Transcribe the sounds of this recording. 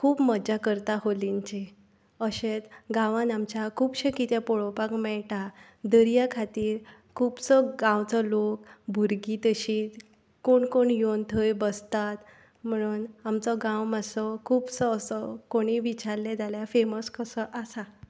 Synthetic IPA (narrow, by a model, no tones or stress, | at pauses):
kʰuːpməd͡ʑakəɾt̪aɦoliɲt͡ɕe | əɕet̪ɡãʋãnamt͡ɕakʰuːpɕekit̪ẽpɔɭɔpakmɛɭʈa | d̪əɾijakʰat̪iːɾ | kʰuːbsəɡãwt͡sɔlokbʱuɾɡit̪əɕiːt̪ | koɳkoɳjont̪ʰəjbəst̪at̪ | m̤əɽ̃uːnamt͡sɔɡãwmasɔkʰuːbsəːsəkoɽ̃iʋit͡ɕaɾlɛd͡zʱaljafeməskəsəʔasa